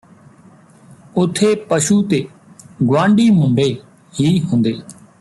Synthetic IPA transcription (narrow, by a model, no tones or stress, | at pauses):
ʊt̪ʰːeːpəʃuːt̪eː | ɡʋãːɳɖiːmʊ̃ɳɖeː | ɦiːɦʊ̃nd̪eː